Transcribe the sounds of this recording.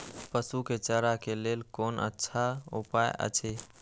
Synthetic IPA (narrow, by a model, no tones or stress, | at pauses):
pəsuket͡ʃəɾakelelkoːnʔə̰tːʃʰaṵpajə̰t͡ʃʰe